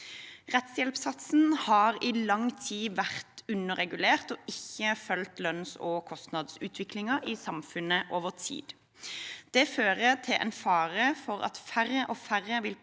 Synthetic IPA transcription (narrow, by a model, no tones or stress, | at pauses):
ʁɛt̪sjɛlpsɑt̪sn̩hɑːʁiːlɑŋt̪ʰiːʋæʁt̪ʉnəʁɛɡʉleːʁt̪ɔɪçːəfœlt̪lœnsɔkʰɔst̪nɑd̪sʉːt̪ʰʋɪklɪŋɑʔiːsɑmfʉnəʔoːʋəʁt̪ʰḭːd̪ | d̪̥ɛːføːʁət̪ʰɪlʔɛ̰nfɑːʁəfɔʁɑ̰t̪fæʁəʔɔːfæʁəʋɪl